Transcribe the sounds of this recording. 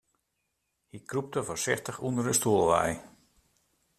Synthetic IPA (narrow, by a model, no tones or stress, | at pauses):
hikrup̚təvorsɪxtəxundəɾəstuəlˠʋɛ̰j